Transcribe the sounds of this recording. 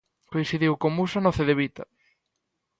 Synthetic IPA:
koĩnθiðiwkomusanɔθeðeβit̪ɐ̰

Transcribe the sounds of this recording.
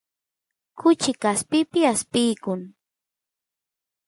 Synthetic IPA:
kʊt͡ʃɪkaspɪpɪaspɪjkʊŋ

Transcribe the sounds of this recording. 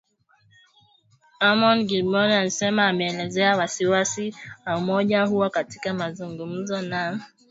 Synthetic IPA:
amɔnɡilmɔɾan̩sɛmaːmɛɛlɛzɛawasiwasiamɔʄaɦuwakatikamazuŋɡum̩zɔna

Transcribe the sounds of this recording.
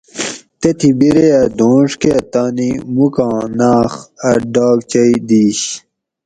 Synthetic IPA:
t̪et̪ʰibiɾejɐd̪õːʂkeɐt̪aːnimukɑ̃ːnaːχɐɖaːɡt͡ɕɐid̪iːɕ

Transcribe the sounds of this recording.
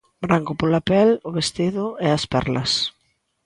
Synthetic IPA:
bɾaŋkʊpolapɛlʊβest̪iðʊɛɐspɛ̰rlɐ̰s

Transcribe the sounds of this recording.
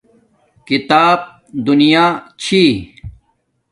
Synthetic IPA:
kit̪aːb̚ | d̪unijaːt͡ɕʰi

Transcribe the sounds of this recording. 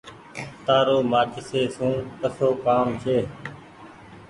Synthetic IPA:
t̪aːɾoːmaːd͡ʒɪseːsũːpəsoːkaːmt͡ʃʰeː

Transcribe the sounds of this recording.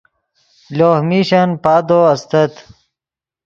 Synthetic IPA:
loːhmiːɕɐnpaːd̪oːɐst̪ɐt̪

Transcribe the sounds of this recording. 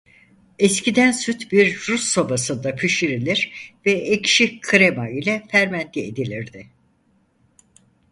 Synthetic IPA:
ɛscid̪ænsyt̪biɾɾusːobasɯnd̪apʰyʃiɾilʲiɾvɛecʃikʰɯɾemailʲɛfæɾmænt̪lʲiḛd̪ilʲiɾd̪ɪ

